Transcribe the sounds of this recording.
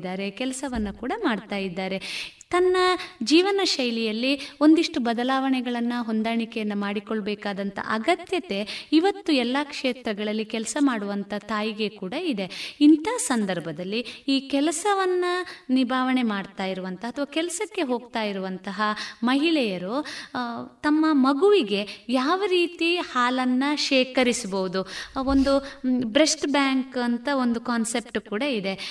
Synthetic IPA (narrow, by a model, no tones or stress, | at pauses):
d̪ːaːɾe̞kɛlɐsɐʋɐnːɐkuːɽɐmaːɽt̪aːjid̪ːaːɾe̞ | t̪ɐnːɐd͡ʒiːʋɐnɐʃɐjlijɐlːio̞nd̪iʂʈubɐd̪ɐlaːʋɐɳɛɡɐɭɐnːɐɦo̞nd̪aːɳikɛjɐnːɐmaːɽikoɭbɛːkaːd̪ɐnt̪ɐ̰ʔɐɡɐt̪jɐt̪e̞iʋɐt̪ːuɛlːaːkʂeːt̪ɾɐɡɐɭɐlːikɛlɐsɐmaːɽuʋɐnt̪ʰɐt̪aːjiɡe̞kuːɽɐid̪e̞int̪aːsɐnd̪ɐɾbʱɐd̪ɐlːiiːkɛlɐsɐʋɐnːɐnibʱaːʋɐɳe̞maːɖt̪aːjiɾuʋɐnt̪ɐɐt̪ʰɐʋaːkɛlɐsɐkːe̞ɦo̞ːɡt̪aːjiɾuʋɐnt̪ɐɦɐmɐɦiɭɛjɐɾo | t̪ɐmːɐmɐɡuʋiɡe̞jaːʋɐɾiːt̪ihaːlɐnːɐʃɛːkɐɾisbɐʋud̪uo̞nd̪ubɾesʈbjaːŋkɐnt̪ɐond̪ukaːnse̞p̚ʈukuːɽɐid̪e̞